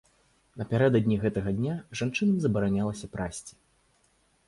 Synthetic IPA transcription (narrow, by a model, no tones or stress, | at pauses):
nɐpʲaɾɛd̪ɐd̪ʲnʲiɣɛt̪ɐɣɐd̪ʲnʲaʐant͡ʂɨnɐmzɐbɐɾanʲalˠɐsʲɐpɾʔasʲt͡sʲi̥